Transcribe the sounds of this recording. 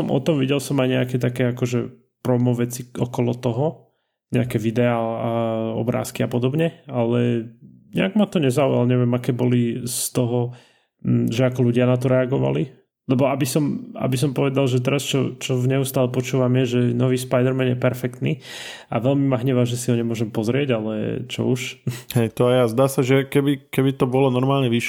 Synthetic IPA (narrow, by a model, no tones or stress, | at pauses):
ɔmʔɔ̰t̪ɔmʋiɟɛlsɔmajɲɛakɛt̪akɛːakɔʒɛ | pɾɔmɔʋɛt͡siɔkɔlɔt̪ɔɦɔ | ɲɛakɛʋid̪ɛaːlaɔ̰bɾa̰ːskiapɔd̪ɔbɲɛalɛ | ɲɛ̰aɡmat̪ɔɲɛzaujalɲɛʋɪjɛmakɛːbɔlist̪ɔɦɔ | ʒɛakɔluɟɪanat̪ɔɾɛaɡɔʋa̰li | lɛbɔabisɔma̰bis̬ɔmpɔʋɛd̪alˠʒɛt̪ɛɾast͡ʃɔ̰t͡ʃɔvɲɛust̪aːlɛpɔt͡ʃuːʋamjɛʒɛnɔʋiːspajd̪ɛɾmɛnjɛpɛɾfɛkt̪nḭː | a̰ʋɛlmimaɦɲɛʋaʒɛsiɦɔɲɛmʊɔʒɛmpɔzɾɪɛɟalɛ̰t͡ʃɔ̰uʃhɛjt̪ɔajazd̪aːsaʒɛkɛbikɛbit̪ɔbɔlɔnɔɾmaːlɲɛʋiʃ